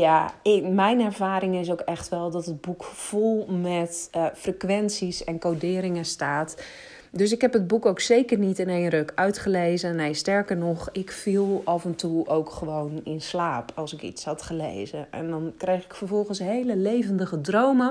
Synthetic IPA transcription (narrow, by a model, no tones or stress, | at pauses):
jaɪmɛjnɛɹvaːɾɪŋɪs̬owkɛxtʋɛlˠdɔtəd̚bukv̥olˠmɛtfrekʋɛnsisɛnkowdɪːɾɪŋəstaːt | døs̬ɪkɦɛpəd̚bukowksejkərnitɪnejnrøkœɥtχəleːzənejstɛɹkərnɔxɪkfilˠɑfɛntuowkχəʋownɪnslaːpʰɑlˠsɪkḭshɑtχəlḛjzəɛ̰ndɔnkrejxɪkfərvɔlˠɣənsɦejləlejvəndəɣədrowmə